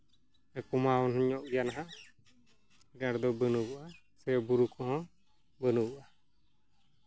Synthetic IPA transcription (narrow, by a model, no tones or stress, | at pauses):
ɛkɔmawɔnɔɲɔʔijanaɦã | ɛɡaɾd̪ɔbənubɔʔa | sɛbuɾukɔhɔ̃ | bənubɔʔa